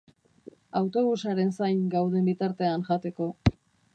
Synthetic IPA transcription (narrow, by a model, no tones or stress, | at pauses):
awt̪o̞βusaɾe̞nsajŋɡawð̞e̞mbit̪aɾt̪e̞anʝat̪e̞ko̞